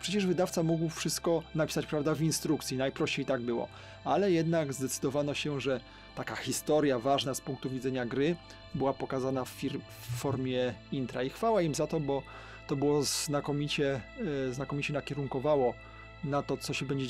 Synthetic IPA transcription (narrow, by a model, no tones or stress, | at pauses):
pʂɛt͡ɕɛʐvɘd̪aft̪samuɡwfʂɘst̪̚kɔnapʲi̥sat͡ɕpɾavd̪avinst̪ɾukt̪sʲinajpɾɔɕt͡ɕejt̪aɡbɘwɔ̰ | alɛjɛd̪naɡzd̪ɛt̪sɘd̪ɔvanɔɕɛʐɛ | t̪akaxʲist̪ɔɾjavaʐnaspuŋk̚t̪uvʲid̪zɛɲaɡɾɘ | bɘwapɔkazanafiɾ | fːɔɾmʲjɛint̪ɾaixfawaimzat̪ɔbɔ | t̪ɔbɘwɔznakɔmʲit͡ɕɛznakɔmʲit͡ɕɛnakʲɛɾuŋkɔvawɔ | nat̪ɔt̪ɔɕɛbɛɲd͡ʑɛ